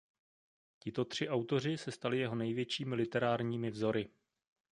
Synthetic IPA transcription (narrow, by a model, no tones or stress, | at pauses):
cɪt̪o̞t̪r̝̥ɪʔawt̪o̞r̝ɪsɛst̪alɪjɛɦo̞nɛjvjɛt͡ʃiːmɪlɪt̪ɛɾaːɾɲiːmɪvzo̞ɾɪ